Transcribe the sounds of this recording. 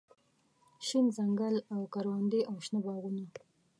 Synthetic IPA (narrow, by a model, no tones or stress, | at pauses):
ʃinzaŋɡalawkaɾwand̪eʔawʃnabɑɣuna